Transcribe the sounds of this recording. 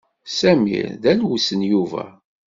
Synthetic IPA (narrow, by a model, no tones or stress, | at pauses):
sæmḭɾðælwusənjuvæ̰